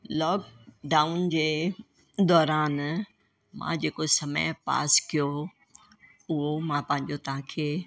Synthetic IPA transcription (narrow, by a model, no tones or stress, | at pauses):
lɔːkɖaːʊnd͡ʑeː | d̪ɔːɾaːn | mã̰d͡ʑeːkosɐmə̰jpa̰ːskijo | ʊɦomãpɐ̃ɦɪ̃ɲd͡ʑot̪ɐɦãkʰeː